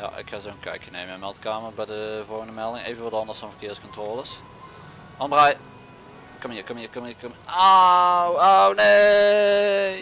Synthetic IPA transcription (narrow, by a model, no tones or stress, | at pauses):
ja̰ʔɪ̰khazowənkɛ̰jkənemɛmɛlˠtkaːmərbɛjdəvɔlˠɣəndəmɛlˠdɪŋḛjvənʋɑdɑndəsfɔnvərkɪːɹskɔntroːlˠəs | ɑmbraj | kɔməkɔmkɔmkɔmawowne